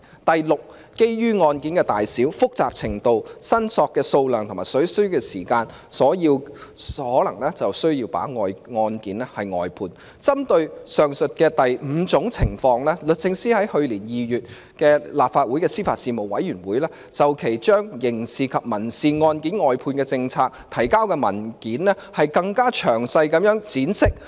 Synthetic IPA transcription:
t̪ɐ˨jlʊ˨k̚ | ke˥jjyː˥ŋɔː˧nkiː˨˥nkɛː˧t̪a̰ː˨jsiː˨˥wfʊ˥k̚t͡saː˨p̚t͡sʰɪ˨˩ŋt̪o˨˧wsɐ˥nsɔː˧kːɛː˧so˧wlœː˨ŋt̪ʰmaː˨˩jsɵ˨˥ɥsɵ˥ɥkɛː˧siː˨˩kaː˧n | sɔː˨˥jiː˧whɔː˨˥lɐ˨˩ŋlɛː˥t͡sɐ˨wsɵ˥ɥjiː˧wpa̰ː˨˥ŋɔː˧jŋɔː˧nkiː˨˥nɛː˥hɐ˨jŋɔ̰ː˨˧jpʰuː˧n | t͡sɐ˥mt̪ɵ˧ɥsœː˨˩ŋsɵ˨t̚kɛː˧t̪ɐ˨jm̩ː˨˧t͡sʊ˨˧˥ŋt͡sʰɪ˨˩ŋfɔː˧ŋlɛː˥lɵ˨t̚t͡sɪ˧ŋsiː˥hɐ˨˥jhɵ˧ɥliː˨˩njiː˨jyː˨t̚ | kɛː˧laː˨p̚faː˧t̚wuː˨˥jkɛː˧siː˥faː˧t̚siː˧mo˨wwɐ˨˥jyː˨˩nwuː˨˥jlɛː˥ | t͡sɐ˨wkʰe˨˩jt͡ʃœː˥ŋjɪ˨˩ŋsiː˨˩kʰɐ˨p̚mɐ˨˩nsiː˨ŋɔː˧nkiː˨˥nŋɔː˨jpʰuː˧nkɛː˧t͡sɪ˧ŋt͡sʰaː˧k̚t̪ʰɐ˨˩jkaː˥wkɛː˧mɐ˨˩nkiː˨˥nlɛ˥hɐ˨jkɐ˧ŋkaː˥t͡ʃʰœː˨˩ŋsɐ˧jkɐ˨˥mjœː˨˥ŋt͡siː˨˥nsɪ˥k̚

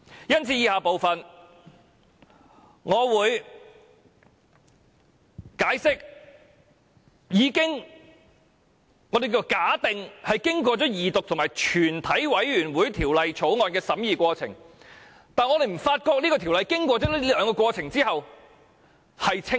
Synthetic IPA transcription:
jɐ˥nt͡sʰiː˨˧jiː˧haː˨˧po˨wfɐ˨n | ŋɔː˨˧wuː˨˧j | kaː˨˥jsɪ˥k̚ | jiː˨˧kɪ˥ŋ | ŋɔ˨˧d̪e˨jk̬iː˥˧˨kaː˨˥t̪ɪ˨ŋhɐ˨jkɪ˥ŋk̬ʷɔː˧t͡sɔː˨˥jiː˨t̪ʊ˨k̚tʰʊ˨˩ŋmaː˨˩jt͡ʃʰyː˨˩nt̪ʰɐ˨˥jwɐ˨˥jɥyː˨˩nwuː˨˥jt̪ʰiː˨˩wlɐ˨jt͡ʃʰo˨˥wŋɔː˨˧nkɛː˧sɐ˨˥mjiː˨˧kʷɔː˧t͡sʰɪ̰˨˩ŋ | t̪aː˨nŋɔː˧d̪e˨˩m̩˨˩faː˧t̚kɔː˧k̚niː˥kɔ˧t̪ʰi˨˩wlɐ˨jkɪ˥ŋkʷɔː˧t͡sɔː˨˥liː˥lœː˨˧ŋkɔ˧kwɔː˧t͡sʰɪ˨˩ŋt͡siː˥hɐ˨w | hɐ˨jt͡sʰɪ˥

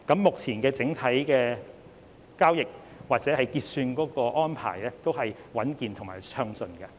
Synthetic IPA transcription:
kɐ˨˥mːʊ˨k̚t͡sʰiː˨˩nkɛː˧t͡sɪ˨˥ŋt̪ʰɐ˨˥jkɛː˧ | kaː˥wjɪ˨k̚ | waː˨t̚t͡sɛː˨˥hɐ˨jkiː˧t̚syː˧nkɔː˨˥kɔː˧ʔɔː˥npʰa̰ː˨˩jlɛː˥t̪o˥wɦɐ˨jwɐ˨˥nkiː˨˧nt̪ʰʊ˨˩ŋmaː˨˩jsʰœː˧ŋsɵ˧nkɛ˧

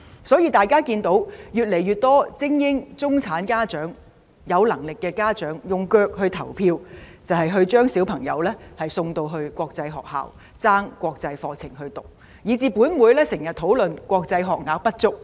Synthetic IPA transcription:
sɔː˨˥jiː˧t̪aː˨jkaː˥kiː˧nt̪o˨˧˥wjyː˨t̚le˨˩jɥyː˨˩t̚t̪ɔː˥t͡sɪ˥ŋjɪ˥ŋt͡sʊ˥ŋt͡sʰaː˨˥nkaː˥t͡ʃœː˨˥ŋ | jɐ˨˧wlɐ˨˩ŋlɪ˨kːɛː˧kaː˥t͡ʃœː˨˥ŋjʊ˨ŋkœː˧k̚hɵ˧ɥt̪ʰɐ˨˩wpʰiː˧wt͡sɐ˨˩wɦɐ˨jɦɵ˧ɥt͡ʃœː˥ŋsiː˨˥wpʰɐ˨˩ŋjɐ̰˨˧wlɛː˥hɐ˨˩jsʊ˧ŋt̪o˧wɦɵ˧ɥkʷɔː˧k̚t͡sɐ˧jɦɔː˨k̚ha̰ː˨w | t͡saː˥ŋkʷɔː˧k̚t͡sɐ˧jfɔː˧t͡sʰɪ̰˨˩ŋɦɵ˧ɥt̪ʊ˨˩k̚ | jiː˨˧t͡siː˨puː˨˥nwuː˨˥jlɛː˥sɪ˨˩ŋjɐ˨t̪ʰo˨˥wlɵ˨nkʷɔː˧k̚t͡sɐ˧jɦɔː˨k̚ŋaː˨˥k̚pɐ˥t̚t͡sʊ˥k̚

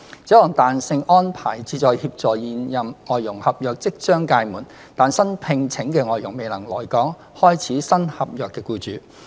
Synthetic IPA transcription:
t͡sɛː˨˥lɔː˨˩ŋt̪aː˨nsɪ˧ŋʔɔː˥npʰaː˨˩jt͡siː˧t͡sɔː˨˧jhiː˧p̚t͡sɔː˨jiː˨njɐ˨mŋɔː˨jːʊ˨˩ŋhɐ˨p̚jœː˨k̚t͡sɪ˥k̚t͡sœː˥ŋkaː˧jmuː˨˩n | t̪aː˨nsɐ˥npʰɪ˧ŋt͡sʰɪ˨˥ŋkɛː˧ŋɔː˨jʊ˨˩ŋme˨jlɐ˨˩ŋlɔː˨˩jkɔː˨˥ŋ | hɔː˥jt͡sʰiː˨˥sɐ˥nhɐ˨p̚jœː˨kːɛː˧kuː˧t͡ʃyː˨˧

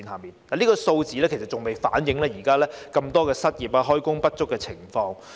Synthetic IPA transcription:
iː˧nhaː˨˩miː˨nlaː˨niː˥kɔː˧so˧wt͡siː˨˥lɛː˥kʰe˨˩sɐ˨˩tt͡ʃʊ˨ŋme˨jfa̰ː˨˥njɪ˨˥ŋlɛː˥jiː˨˩kaː˥lɛː˥kɐ˧mt̪ɔː˥kɛː˧sɐ˥t̚jiː˨˩p̚aː˧ɦɔː˥jkʊ˥ŋpɐ˥t̚t͡ʃʊ˥kːɛː˧t͡sʰɪ˨˩ŋfɔː˧ŋ

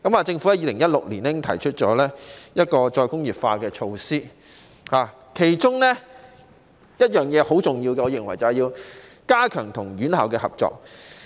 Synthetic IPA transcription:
kɐ˨˥maː˨˧t͡sɪ˧ŋfu˨˥ɐ˧˥jiː˧lɪ˨˩ŋjɐ˥t̚lʊ˨k̚liː˨˩nɛː˥ɪ˥t̪ʰɐ̰˨˩jt͡ʃʰɵ˥t̚t͡ʃɔː˨˥lɛː˥jɐ˥t̚kɔː˧t͡ʃɔː˧jkʊ˥ŋjiː˨p̚faː˧kɛː˧t͡ʃʰo˧wsiː˥ | haː˨˩ | kʰe˨˩jt͡ʃʊ˥ŋlɛ˥ | jɐ˥t̚jœː˨˩ŋjɛː˨˧ho˨˥wt͡sʊ˨ŋjiː˧wkɛ˧ɔː˨˧jɪ˨˩ŋwɐ˨˩jt͡sɐ˨jiː˧wkaː˥kʰœː˨˩ŋt̪ʰʊ˨˩ŋɥyː˨˥nhaː˨wkɛː˧hɐ̰˨p̚t͡ʃɔ̰ː˨k̚

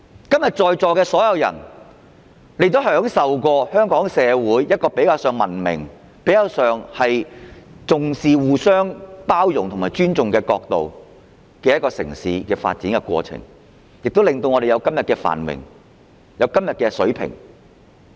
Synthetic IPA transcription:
kɐ˥mjɐ˨˩t̚t͡ʃɔː˨˧jt͡sɔː˨˧kɛː˧sɔː˨˥jɐ˨˧wjɐ̰˨˩n | le˨˧jt̪o˥˨˥ɦœː˨˥ŋsɐ˨wkɔː˧hœː˥ŋkɔː˨˥ŋsɛː˨˧wuː˨˥jjɐ˥t̚kɔː˧pe˨˥jkaː˧wsœː˨ŋmɐ˨˩nmɪ̰˨˩ŋ | pe˨˥jkɐː˨˧˩wsœː˨ŋhɐ˨jt͡sʊ˨ŋsiː˨wuː˨˧sœː˥ŋpaː˥wjʊ˨˩ŋt̪ʰmaː˨˩jt͡ʃyː˥nt͡sʊ˨ŋkɛː˧kɔː˧k̚t̪o˨w | kɛː˧jɐ˥t̚kɔː˧sɪ̰˨˩ŋsiː˨˧kɛː˧fa̰ː˧t̚t͡siː˨˥nkɛ˧kʷɔ̰ː˧t͡sʰɪ̰˨˩ŋ | jɪ˨k̚t̪o˥lɪ˨ŋt̪o˧wŋɔ˨˧ɾe˨jɐ˨˧wkɐ˥mjɐ˨t̚kɛː˧fa̰ː˨˩nmɪ̰˨˩ŋ | jɐ˨˧wkɐ˥mjɐ˨t̚kɛː˧sɵ˨˥pʰɪ̰˨˩ŋ

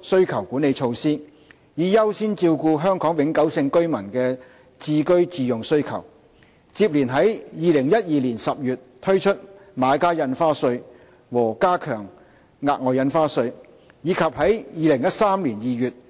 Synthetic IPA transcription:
sɵ˥ɥkʰɐ˨˩wkuː˨˥ne˨˧jt͡ʃʰo˧wsiː˥ | jiː˨˧jɐ˥wsiː˥nt͡siː˧wkuː˧ɦœː˥ŋkɔː˨˥ŋwɪ˨˥ŋkɐ˨˥wsɪ˧ŋkɵ˥ɥmɐ˨˩nkɛː˧ | t͡siː˧kɵ˥ɥt͡siː˧jʊ˨˩ŋsɵ˥ɥkʰɐ̰˨˩w | t͡siː˧p̚liː˨˩nɦɐ˨˥jjiː˨˧lɪ˨˩ŋjɐ˥t̚jiː˨˧liː˨˩nsɐ˨p̚jyː˨t̚t̪ʰɵ˥ɥt͡ʃʰɵ˥t̚maː˨˧kaː˥jɐ˧nfaː˥sɵ˧ɥ | wɔː˨˩kaː˥kʰœː˨˩ŋ | ŋaː˧t̚k̚ŋɔː˨jɐ˨˧nfaː˥sɵ˧ɥ | jiː˨˧kʰɐ˨p̚hɐ˨˥jjiː˨˧lɪ˨˩ŋjɐ˥t̚saː˥mliː˨˩njiː˨jyː˨˩t̚

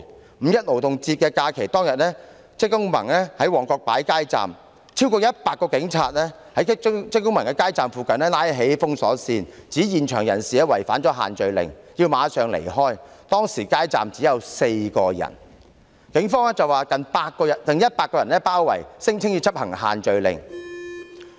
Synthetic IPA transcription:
m̩˨˧jɐ˥t̚lo˨˩wt̪ʊ˨ŋt͡siː˧t̚kɛː˧kaː˧kʰe˨˩jt̪ɔː˥ŋjɐ˨t̚nɛː˥ | t͡sɪ˥k̚kːʊ˥ŋmɐ̰˨˩ŋlɛː˥hɐ˨˥jwɔː˨˩ŋkɔː˧k̚paː˨˥jkaː˥jt͡sa̰ː˨m | t͡sʰiː˥wkɔː˧jɐ˥t̚paː˧k̚ːɔː˧kɪ˨˥ŋt͡sʰaː˧t̚lɛ˥ | hɐ˨˥jt͡sɪ˥kːʊ˥ŋmɐ˨˩ŋkɛː˧kaː˥jt͡saː˨mfuː˨kɐ˨nlɛː˥laː˥jɦe˨˥jfʊ˥ŋsɔ̰ː˨˥siː˧nt͡siː˨˥jiː˨nt͡ʃʰœː˨˩ŋjɐ˨˩nsiː˨˩ɛ˥wɐ˨˩jfaː˨˥nt͡ʃɔː˨˥ɦa̰ː˨nt͡ʃɵ˨ɥlɪ̰˨ŋ | jiː˧wmaː˨˧sœː˨ŋlḛ˨˩jɦɔː˥j | t̪ɔː˥ŋsiː˨˩kaː˥jt͡sa̰ː˨mt͡siː˨˥jɐ˨˧wse˧jkɔː˧jɐ̰˨˩n | kɪ˨˥ŋfɔː˥ŋɛː˥t͡sɐ˨waː˨kɐ˨npaː˧tk̚kːɔː˧jɐ˨˩nt̪ɐ˨ŋjɐ˥t̚paː˧k̚ɔː˧jɐ˨˩nlɛ˥paː˥wːɐ̰˨˩jsɪ˥ŋt͡sʰɪ˥ŋji˧t͡sʰɐ˥p̚hɐ˨˩ŋɦa̰ː˨nt͡ʃɵ˨˧ɥlɪ̰˨˩ŋ

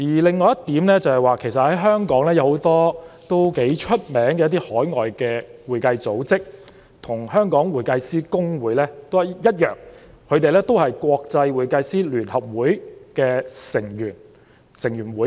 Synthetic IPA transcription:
jiː˨˩lɪ˨˩ŋːɔː˨˧jɐ˥t̪ːiː˨˥mlɛː˥t͡sɐ˨˧whɐ˨˩jwaː˨˩kʰe˨˩jsɐ˨t̚hɐ˨˦˥jɦœː˥ŋkɔː˨˥ŋlɛː˥jɐ˧who˨˥wt̪ɔː˥t̪o˥wke˨˥jt͡ʃʰɵ˥t̚mɛː˨˥ŋkɛː˧jɐ˥t̪̬iː˥hɔː˨˥jŋɔː˨jkɛː˧wuː˨˩jkɐ˧jt͡so˨˥wt͡sɪ˥k̚ | t̪ʰʊ˨˩ŋhœː˥ŋkɔː˨˥ŋwuː˨˩jkɐ˧jsiː˥kʊ˥ŋwuː˨˥jlɛː˥t̪o˥wɐ˨˩jjɐ˥t̚jœː˨˩ŋ | kʰɵ˨˧ɥt̪e˨jlɛː˥t̪o˥whɐ˨jkwɔː˧k̚t͡sɐ˧jwuː˨˩jkɐ˧jsiː˥lyː˨˩nhɐ˨p̚wuː˨˥jkɛː˧sɪ˨˩ŋjyː˨˩n | sɪ˨˩ŋjyː˨˩nwuː˨˥j

